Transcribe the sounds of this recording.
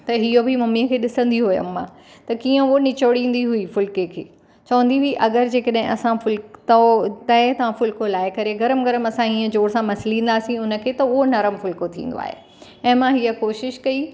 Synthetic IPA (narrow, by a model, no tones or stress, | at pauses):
t̪ɐɦijobʱimɐmiəkʰeːɗɪsə̃n̆d̪iɦʊjo̰mːã̰ | t̪ɐkiːə̃onɪt͡ɕoɽĩːn̆d̪iɦuifʊlkekʰeː | t͡ɕɐʋə̃nd̪iɦiʔɐɡəɾd͡ʑeːkɐɗɦɪ̃ʔɐsãfʊlkt̪ɐt̪ɐɪt̪ɐʋãfʊlkolaːɪkɐɾeɡɐɾəmɡɐɾəmɐsãĩːə̃d͡ʑoːɽsãmɐsɪlĩːn̆d̪aːsĩʊnə̆kʰeːt̪ɐʊɦonɐɾəmfʊlkot̪ʰḭ̃ːn̆d̪o̰a̰ːɦḛ | ɛ̃ːmãɦijəkoːʃɪʃkɐi